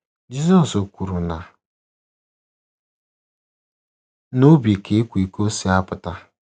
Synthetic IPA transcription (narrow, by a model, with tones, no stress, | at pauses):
d͡ʒi˦zɔ˦so˨kʷu˨ɾu˨na˨ | no˦bi˨e˨kʰe˨˦kʷu˨i˨ko˦si˨˦a˦pʊ˨ta˦